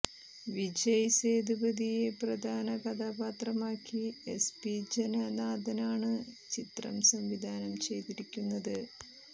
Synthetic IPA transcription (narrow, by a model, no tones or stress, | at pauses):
ʋid͡ʑɐjseːd̪ibɐd̪ijeprɐd̪ʱaːnɐɡɐd̪ʱaːbaːt̪rɐmaːkːiespid͡ʑenɐnaːd̪ʱɐnaːɳɨt͡ɕit̪rɐ̰msɐmʋid̪ʱaːnɐmt͡ɕe̞jt̪iɾikʲːunːɐðɨ